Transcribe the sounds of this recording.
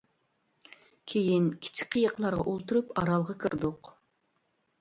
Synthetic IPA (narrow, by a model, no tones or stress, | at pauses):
kʲʰejinkʲʰi̥t͡ʃʰi̥k̚ʲqʰəjəqlˠɑɾʁɑ̰ʔolˠt̪uɾupɑɾɑlˠʁɑkʲʰɨɾd̪ʊq